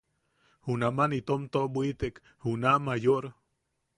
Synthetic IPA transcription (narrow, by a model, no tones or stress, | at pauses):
hunamanit̪omt̪oʔbwit̪ek | hunamajoʔɾo